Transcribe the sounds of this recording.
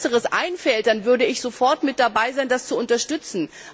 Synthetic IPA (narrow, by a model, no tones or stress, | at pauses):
səʁəsʔa̰ɪnfɛlt̚d̥anvʏɐdəɪçz̥ofɔɐtmɪt̚d̥abaɪzaɪndast͡suʊntɐʃtʏt͡sn̩